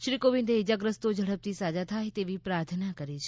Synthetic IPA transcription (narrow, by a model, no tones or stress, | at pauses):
ʃɾikoʋĩnd̪eid͡ʒaɡɾəst̪od͡ʒʱəɽəp̚t̪isad͡ʒat̪ʰajt̪eʋipɾaɾt̪ʰnakəɾit͡ʃʰe